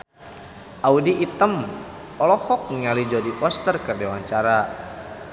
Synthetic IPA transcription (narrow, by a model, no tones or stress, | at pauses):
ʔaudiʔit̪əm | ɔlɔhɔk̚ŋalid͡ʒɔdiʔɔst̪ərkərdewaɲt͡ʃaɾa